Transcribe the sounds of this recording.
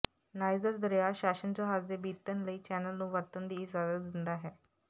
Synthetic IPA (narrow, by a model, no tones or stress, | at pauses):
naːjzəɾd̪əɾjaʃaːʃənt͡ɕoɦaːzd̪ebiːt̪ːənləiːt͡ʃɛːnəlnũːʋəɾt̪ənd̪iːɪzaːd̪əd̪ɪnd̪aɦɛː